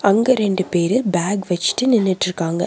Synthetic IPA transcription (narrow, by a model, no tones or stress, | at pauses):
ɐŋɡɐɾɛɳɖɯpeːɾɯlbaːɡʋɐt͡ʃːɪ̥ʈːɯnɪnːɪʈːɪɾɯkːaːŋɡɐ̰